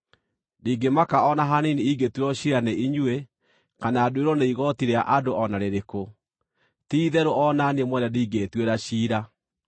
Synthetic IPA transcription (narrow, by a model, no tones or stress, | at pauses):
niːɡemakaɔnaɦaniniiɡetweɾɔɕiɾaneʔiɲwe | kanaːdoeɾɔneiɣɔtiɾeaʔadoɔnaɾeɾeko | tiiðɛɾoɔnanemwɛnɛdiːɡetweɾaɕiːɾa